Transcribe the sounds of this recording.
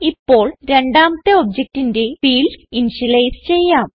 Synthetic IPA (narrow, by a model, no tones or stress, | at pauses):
ipːo̞ːɭɾe̞ɳɖaːmɐt̪ːeobd͡ʑek̚tinde̞fiːlinɕilɐjst͡ɕe̞jːaːm